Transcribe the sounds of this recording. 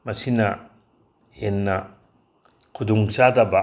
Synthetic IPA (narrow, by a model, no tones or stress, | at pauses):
mɐsinɐ | henːɐ | kʰuduŋsadɐbɐ